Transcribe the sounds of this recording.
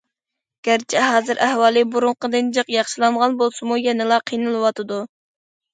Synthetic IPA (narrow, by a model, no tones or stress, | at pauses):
ɡ̥ʲæɾt͡ʃʰiɦɑːzɨɾʔæhwɑːlˠɨbuɾuɴqəd̪ɨnd͡ʒəqjɑχʃilˠɑɴʁɑnbolˠsɨmujɛnɨlˠɑqʰijnɨlˠɨwɑt̪ʰɨd̪u